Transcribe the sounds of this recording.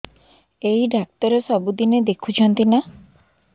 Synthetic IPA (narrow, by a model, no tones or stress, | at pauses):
eɦiɖak̚t̪ɔɾesɔbud̪ined̪ekʰut͡ʃʰɔnt̪ina